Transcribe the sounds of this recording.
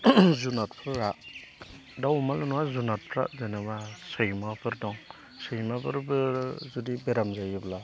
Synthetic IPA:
zunat̚pʰɯɾɾa | dawmalunuwazunat̚pʰɾa̰ʔzenabasɯjmabʰɯɾdɔŋ | sɯjmabʰɯɾbɯzudibeɾamzajibla

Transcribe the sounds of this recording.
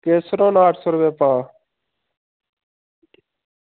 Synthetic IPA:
keːsɾõːnaːʈʰsoɾʋẽːpãː

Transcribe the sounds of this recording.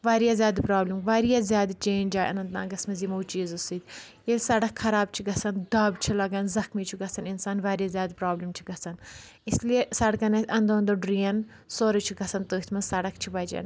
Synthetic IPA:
ʋaːɾijaːzʲjaːd̪pɾaːblimʋaːɾijaːzjaːd̪t͡ʃẽːnʲd͡ʒaːjʔɐ̰nɐ̃nt̪ã̰ːɡɐsmɐzimɐːt͡ʃiːzusid̪ʲ | jesɐɽɐkxʰɐɾaːb̚t͡ʃʰiɡɐsɐnd̪aːbt͡ʃʰilɐɡɐnzɐxmiːt͡ʃʰuɡɐsɐninsaːnʋaːɾijazʲjaːd̪pɾaːblimt͡ʃʰi̥ɡɐsɐn | isliesɐɽkɐnɐsʲɐnd̪oːnd̪oɖɾijɐn | soːɾɐt͡ʃʰiɡɐsɐnt̪oːit̪ʰmɐsɐɽɐkt͡ʃʰiʋɐd͡ʒɐ̰n

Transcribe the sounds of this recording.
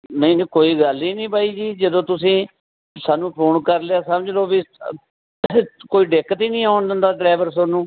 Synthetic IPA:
nəĩːkoːiːɡəliːnĩːbaːiːd͡ʒiːd͡ʒəd̪õːt̪ʊsĩː | saːnũːpʰoːnkəɾleaːsəməd͡ʒloːbi | koːiːɖeːkət̪iːnĩːaːʊɳd̪ənd̪aːɖɾaːʋəɾsoːnũː

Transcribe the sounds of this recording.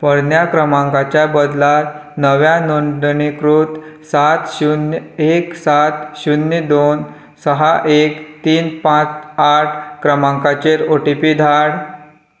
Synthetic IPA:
pəɽnjakɾəmãŋkat͡ɕjabəd̪lat̪nəʋjanoɳɖnikɾut̪sat̪ɕuneksat̪ɕunjəd̪on | səɦaʔekt̪iːnpãt͡saʈʰkɾəmãŋkat͡ɕeɾoʈipid̪ʱaɽ

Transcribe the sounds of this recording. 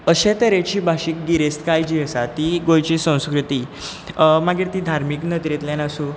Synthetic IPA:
əɕet̪əɾet͡ɕiːbʱaɕikɡiɾest̪kajd͡ʑiːəsat̪iɡojt͡ɕiːsə̃w̃skɾut̪iː | maɡiɾt̪id̪ʱaɾmiknət̪ɾet̪ljanasũ

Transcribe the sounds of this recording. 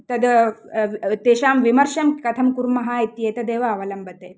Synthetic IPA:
t̪ɐd̪ | t̪eːʃaːmʋimɐɾʃɐmkɐt̪ʰɐmkuɾmɐɦaːit̪jeːt̪ɐd̪eːʋɐɐʋɐlɐmbɐt̪eː

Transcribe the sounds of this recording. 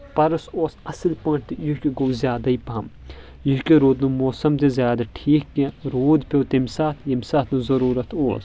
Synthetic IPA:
pɐɾɐsoːsɐsɨlpɐ̃ːʈʰt̪ijukʲiɡowzjaːd̪aipɐm | juɦkʲiɾoːd̪numoːsɐmt̪ezʲjaːd̪aʈʰiːkːẽɾoːd̪pʲowt̪emʲsaːt̪ʰjɐmʲsaːt̪nuzɐɾuːɾɐt̪ʰoːs

